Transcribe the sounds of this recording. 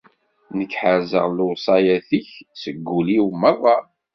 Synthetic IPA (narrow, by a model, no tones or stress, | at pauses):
nəkːħəɾzə̰ʁlʊʁsˤɑjæθiçsəɡːuliwmːəðˤɑ